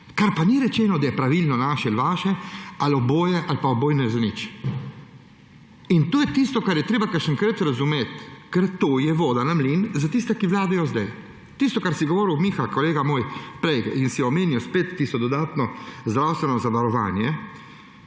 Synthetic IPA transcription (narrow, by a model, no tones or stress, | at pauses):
kaɾpaniɾɛt͡ʃɛːnɔd̪ajɛpɾaʋilnɔnaːʃɛilʋaːʃɛalɔboːjɛʔalpaɔboːjnɛzanit͡ʃ | int̪oːjɛt̪ist̪ɔkaɾjɛt̪ɾeːbakəʃəŋkɾət̪ɾazumeːt̪kɛɾt̪oːjɛʋoːd̪anamlinzat̪ist̪ɛkiʋlaːd̪ajɔzd̪aj | t̪ist̪ɔkaɾsiɡɔʋoːɾiwmixalkɔleːɡamoːjpɾɛjkinsiɔmeːnjiwspeːt̪ːist̪ɔd̪ɔd̪aːt̪nɔzd̪ɾawst̪ʋɛnɔzaʋaɾɔʋa̰ːnjɛ